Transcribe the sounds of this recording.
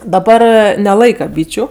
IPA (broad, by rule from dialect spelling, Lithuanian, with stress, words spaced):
dɐˈbɐr nʲɛˈlˠɐɪkɐ ˈbʲiːt͡ʃʲʊ